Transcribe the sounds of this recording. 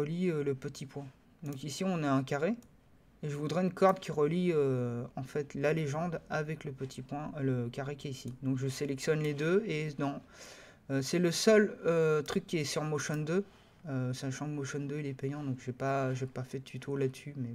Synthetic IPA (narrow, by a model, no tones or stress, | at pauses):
əliøləpət̪ʰipwɛ̃ | d̪ɔ̃kisiɔ̃naɛ̃kʲaʁe | eʒəvud̪ʁɛynkɔʁbkʲiʁəliøɑ̃fɛt̪laleʒɑ̃d̪avɛkləpət̪ʰipwɛ̃ləkʲaʁekʲɛisid̪ɔ̃kʒəselɛksjɔnled̪øed̪ɑ̃ | øsɛləsœløt̪χykʲːiɛsyʁmoʃɔnd̪ø | øsaʃɑ̃kmoʃɔnd̪øilɛpɛjɑ̃d̪ɔ̃kʒepaʒepafɛt̪ʰyt̪ʰolad̪əsymɛ